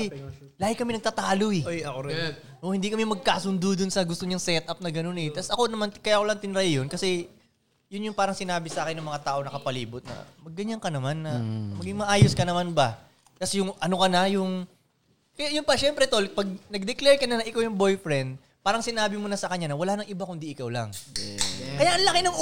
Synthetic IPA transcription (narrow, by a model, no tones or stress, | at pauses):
laːhɪkɐmɛnɐɡ̚t̪ɐt̪aːloɛojɐkoɾ | ʔohɪnd̪ikɐmɛmɐɡ̚kaːsʊnd̪od̪ʊnsɐɡʊst̪oɲɐŋsɛt̪ʔɐp̚nɐɡɐno̞nɛt̪ɐsɐko̞nɐmankɐjaːʔkolaŋt̪ɪnɾajɪjonkɐsɛ | jʊnjʊŋpaːɾɐŋsɪnaːbɪsɐʔaːkɪnːɐŋmɐŋat̪aːʔo̞ŋnɐkɐpɐliːbʊt̪̚nɐ̰mɐɡ̚ːɐɲankɐnɐmanːɐmɐɡiŋmɐʔaːjoskɐnɐmanbɐ | kɐsɛjʊŋʔɐno̞kɐnɐjʊŋ | kɐjaʔjʊnpɐʃɛmpɾɛt̪olpɐɡ̚nɐɡ̚d̪ɛklɛɹkɐnɐnɐʔɪkawjʊŋbo̞jfɾɛnd̪̚ | paːɾɐŋsɪnaːbɪmʊnɐsɐkɐɲanɐwɐlaːnɐŋʔɪbakʊnd̪iʔɪkawlɐ̰ŋ | kɐjaʔɐnlɐkɪnɐŋ